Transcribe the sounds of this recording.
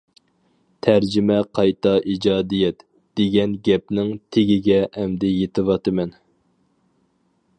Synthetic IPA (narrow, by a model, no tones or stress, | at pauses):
t̪ʰæɾd͡ʒɪmɛqʰɑjt̪ʰɑʔid͡ʒɑːd̪ijɛt̪ | d̪̥eɡʲɛnɡʲɛp̚nɪŋt̪ʰeɡʲɪɡʲɛɛmd̪ɪjet̪ʰɨwɑt̪ɨmɛn